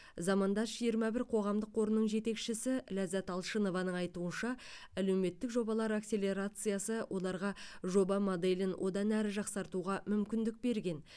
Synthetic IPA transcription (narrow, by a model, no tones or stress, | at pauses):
zɑmɑnd̪ɑʒijəɾmɑbɪɾqʰo̞ʁɑmd̪əqːo̞ɾənːəɴʒe̞t̪e̞kʃɪsɪlæzæt̪ɑlˠʃəno̞vɑnəɴɑjt̪uənʃɑ | æle̞wme̞t̪ːɪkʒo̞bɑlˠɑɾakse̞lʲe̞ɾat̪sɨjasəwʔo̞lˠɑɾʁɑʒo̞bɑmod̪elʲɪnwʔo̞d̪ɑnæɾɪʒɑqsɑɾt̪uʁɑmʏmkʲɪnd̪ɪk̚be̞ɾɡʲe̞n